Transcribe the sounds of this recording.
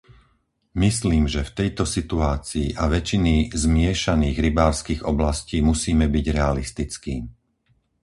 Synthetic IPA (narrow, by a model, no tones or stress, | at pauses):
misliːmʒɛft̪ɛjt̪ɔsit̪uaːt͡siːʔaʋɛt͡ʃinizmɪɛʃaniːɣɾibaːɾskiːɣɔblasciːmusiːmɛbiɟɾɛalist̪it͡skiː